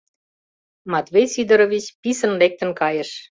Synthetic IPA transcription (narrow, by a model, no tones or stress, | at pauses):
mɑt̪βejsid̪ə̆ɾovit͡ɕpisə̆nlek̚t̪ə̆nkɑjəʃ